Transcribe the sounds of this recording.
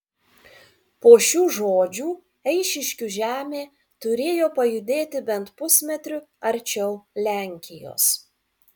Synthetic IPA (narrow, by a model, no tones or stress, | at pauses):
poːʃʲuːʒoːd͡ʒʲuː | ɛɪʃʲɪʃʲkʲʊʒʲæːmʲeː | t̪ʊɾʲeːjoːpɐjʊd̪ʲeːt̪ʲɪbʲɛnt̪pʊsʲmʲɛt̪ʲɾʲʊɐɾʲt͡ʃʲɛʊlʲæˑŋʲkʲɪjo̰ːs